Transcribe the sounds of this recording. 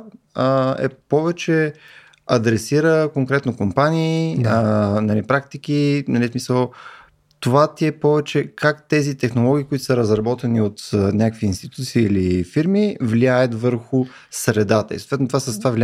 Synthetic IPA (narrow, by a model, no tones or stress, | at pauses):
ɛ̰pɔvɛt͡ʃɛ | ɐd̪ɾɛsiɾəkoŋkɾɛt̪nokompaniː | nɐlipɾakt̪ik̟inɐlismisəlˠ | t̪ovat̪iɛpɔvɛt͡ʃɛkakt̪ɛzit̪ɛxnolˠɔɡ̟iːkʊit̪ʊ̥səɾəzɾɐbɔt̪ɛniot̪nʲakəkviːnst̪it̪ut̪siːilifiɾmivliajət̪vəɾxʊ | sɾɛd̪at̪ə̰ḭso̥t̪vɛt̪nt̪ovasəst̪ovavlʲi